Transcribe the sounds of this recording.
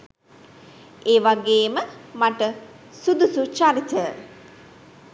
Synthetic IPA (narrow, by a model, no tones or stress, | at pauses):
eːʋaɡeːməmaʈə | sud̪usut͡ʃaɾit̪ə